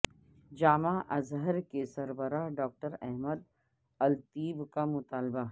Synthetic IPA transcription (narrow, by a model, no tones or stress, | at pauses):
d͡ʒaːmãʔɐzɦəɾkesɐɾbəɾaɦɖɔːk̚ʈəɾɛɦməd̪̚ | ɐlt̪iːbkamʊt̪aːlba